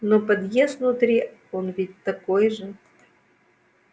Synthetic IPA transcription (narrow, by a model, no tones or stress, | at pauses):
nopɐd̪jesvnʊt̪ɾʲionvʲit̚ʲt̪ɐkojʐɨ